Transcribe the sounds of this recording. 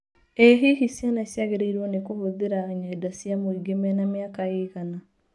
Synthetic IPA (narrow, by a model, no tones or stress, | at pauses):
eɦiɦisjanasjaɣeɾeiɾwɔnekohoðeɾaɲaidasjamoiɡemɛnamjakaeɣana